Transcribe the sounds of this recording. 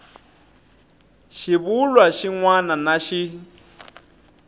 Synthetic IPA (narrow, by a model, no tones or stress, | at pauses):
ʃiβulwaʃiŋwananaʃi